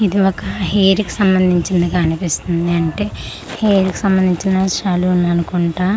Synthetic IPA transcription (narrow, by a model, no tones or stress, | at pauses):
id̪iɔkɐɦeːɾiki̥sɐmbɐnd̪ʱiɲt͡ʃind̪ɐɡaːnipist̪und̪iɐɳʈe̞ː | heːɾiki̥sɐmbɐnd̪iɲt͡ʃinɐʃaːlunɐnukuɳʈaː